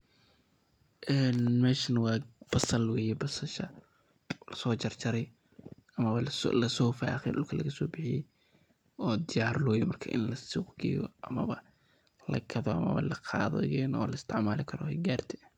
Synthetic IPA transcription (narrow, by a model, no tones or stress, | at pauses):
ʔɛːnmɛːʃɐnɐwɑːb̥ɐsɐlwɛːjɛbɐsɐʃɐ | lɐsɔːt͡ʃɐrt͡ʃɐɾɛj | ɐmɐβɐ̰lɐsɔːfa̰ːxɛ̰jɗʊlkʰɐlɐɣɐsɔːbɪħɪjɛ̰j | ɔːd̪ɪjaːrlɔːjɔmɐrkʰɐʔɪ̰nlɐsʊɡɛ̰jɔ̰ʔɐmɐβɐ | lɐ̰ɡɐðɔʔɐ̰mɐ̰βɐ̰lɐqʰɑ̰ːðɔ̰jɛːnɔːlɐɪst̪ʰɪʕmaːlɪkʰɐɾɔhɛɡaːrt̪ʰɪ